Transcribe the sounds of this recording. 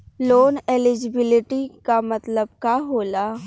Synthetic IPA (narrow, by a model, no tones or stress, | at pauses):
loːnelɪd͡ʒɪbɪlɪʈikamɐt̪ləbkaɦoːlaː